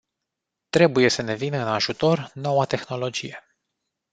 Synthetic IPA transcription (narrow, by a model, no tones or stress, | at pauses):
t̪ɾe̞buje̞səne̞vinəɨnaʒut̪o̞rno̞wat̪e̞xno̞lo̞d͡ʒije̞